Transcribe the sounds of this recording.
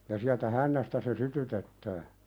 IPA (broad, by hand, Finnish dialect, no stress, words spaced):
jɑ siæltæ hænːæstæ se sytytetːæː